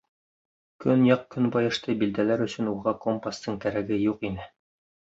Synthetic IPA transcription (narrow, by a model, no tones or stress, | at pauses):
kɵnjɑq̚kɵnbɑjɤ̆ʃt̪ɤbild̪ælæɾɵ̆sɵ̆nuʁɑkompast̪ɤɴt̪æɾæɡɘjuqinɘ